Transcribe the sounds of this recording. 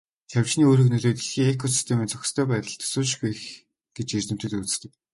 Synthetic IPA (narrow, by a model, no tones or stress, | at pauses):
xʲaw̥t͡ɕniːoːrɵ̆knɵɮoːt̪iɮxiːŋekʰɔs̬i̥st̪ʰemiːnt͡sʰɔxʲɪ̥̆st̪ʰœːpæːt̪ə̆ɮt̪ʰɵ̥sʊːʃ̬̆ɡujx | ɡ̥et͡ɕert͡s̪ɘ̆m̥t̪ɘ̆t̪ut͡sɘ̥̆t̪ɘ̆k̚